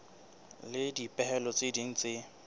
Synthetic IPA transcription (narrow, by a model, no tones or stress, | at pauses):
lɪdipʼɛɦɛlɔt͡sʼɪdin̩t͡sʼɪ